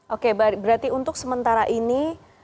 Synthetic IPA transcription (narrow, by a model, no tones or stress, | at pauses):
ʔokebaɾbəɾat̪iunt̪ʊksəmənt̪aɾaʔini